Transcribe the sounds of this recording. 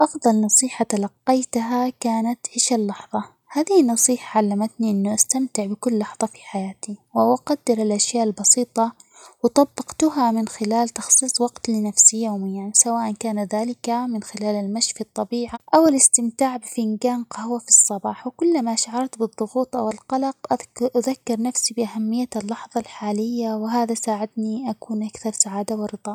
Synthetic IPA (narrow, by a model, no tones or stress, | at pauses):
ʔɑfðˤɑlnɑsˤiːħat̪alɑqːɑjt̪ɦakaːnat̪ʕɪʃalːɑħðˤɑ | haːðɪhɪnːɑsˤiːħaʕalːamat̪niʔɪnːuʔast̪amt̪ɪʕbɪkʊlːɑħðˤɑfi̥ħajaːt̪iwʔawʔaqɑd̪ːɑɾalʔaʃjaːʔalbɑsiːt̪ˤɑwɪt̪ˤɑbːɑqt̪ʊɦamɪnxɪlaːlt̪ɑxsˤiːsˤwɑɡt̪lɪnafsijoːmɪjːansawaːʔankaːnaðaːlɪkamɪnxɪlaːlalmaʃfit̪ˤːɑbiːʕaʔawɪlɪst̪ɪmt̪aːʕbɪfɪnɡaːnqahwafisˤːɑbɑːħwɪkʊlːmaʃaʕɑɾˤt̪bɨðˤːʊɣuːt̪ˤʔawɪlqɑlɑqʔʔaðakːɪɾnafsibɪʔahamːɪjːalːɑħðˤɑlħaːlɪjːawɪɦaːðasaːʕɪd̪niʔakuːnʔakθɑɾˤsaʕaːd̪awɪɾɨd̪ˤɑː